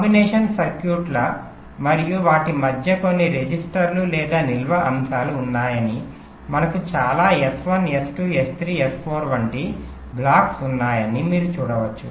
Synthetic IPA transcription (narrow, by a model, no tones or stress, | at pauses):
kːbinɛːʂɐnsɐɾkjuːʈlɐ | mɐɾijuʋaːʈimɐd̪ʱjɐko̞nːiɾed͡ʒisʈɐɾlulɛːd̪aːnilʋɐʔɐmsaːluːnːaːjɐni | mɐnɐkut͡ʃaːlaːesʋɐnesʈuest̪ʰɾiːespʰoːɾʋɐɳʈi | blaːksunːaːjɐnimiːɾut͡ʃuːɽɐʋɐt͡ʃːṵ